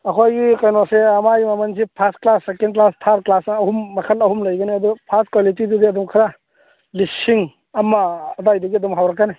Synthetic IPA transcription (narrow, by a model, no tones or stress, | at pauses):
ɐkʰojɡikɐjnoseɐmajmɐmɐns̬ipʰastklasːekenklastʰaɾ̚klasnɐhumːɐkʰɐlɐɦumlɐjɡɐniɐdupʰastkwalitididiɐdumkʰɐɾa | lisiŋ | ɐmaːdajdɐɡiɐdumɦawɾɐkːani